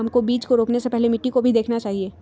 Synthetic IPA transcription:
mkobiːt͡ʃkoɾoːpnesepɛɦlemɪʈːikobʱid̪eːkʰnat͡ʃaːɦieː

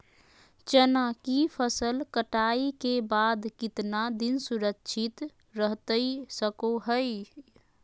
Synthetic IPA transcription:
t͡ʃənakipʰəsəlkəʈaikebad̪kit̪nad̪insuɾəkt͡ʃʰit̪ | ɾəɦt̪əjsəkoɦəj

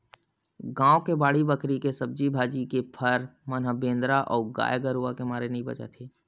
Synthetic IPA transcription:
ɡãːokebaːɽibəkɾikesɐb̚d͡ʒibʱaːd͡ʒikepʰəɾmənɦəbẽːnd̪ɾaʔɔːɡa̰ːjɡəɾuakemaːɾenɐĩbɐ̰t͡ʃa̰t̪ʰeː

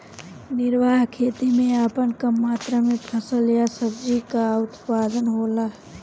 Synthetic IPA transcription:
nɪɾʋaːɦkʰeːt̪imẽaːpənkəmːaːt̪ɾamẽpʰəsəlijasəbd͡ʒikaʊt̪paːd̪ənɦoːla

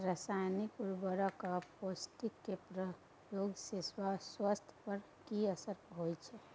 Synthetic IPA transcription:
ɾasajnikuɾbəɾakaposʈikːepɾə | joɡseswaswast̪ʰpəɾ | kiəsəɾɦojt͡ʃʰɛ

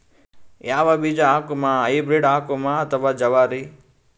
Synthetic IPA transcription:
jaːʋabiːd͡ʒaaːkumãːɐibɾiɖaːkomãɐt̪əʋaːd͡ʒɐʋaːɾiː

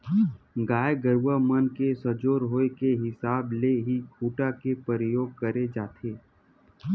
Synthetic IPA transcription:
ɡaːjɡəɾwamənkesəd͡ʒoːɾɦoːekeɦɪsaːbleɦikʰuːʈakepəɾəjoːɡ̚kəɾed͡ʒaːt̪ʰeː

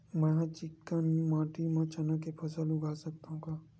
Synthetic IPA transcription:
mɛ̃ɦt͡ʃɪkːanimãːʈimãt͡ʃɐnakepʰɐsəlʊɡaːsɐk̚t̪aɦũkaː

